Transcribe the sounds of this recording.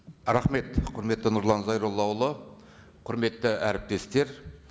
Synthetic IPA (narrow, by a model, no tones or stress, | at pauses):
ɾɑχme̞t̪qʰʊɾme̞t̪ːɪnʊɾlˠɑnzɑjɾolˠːɑwlˠə | qʰʊɾme̞t̪ːɪæɾɪp̚t̪e̞st̪e̞ɾ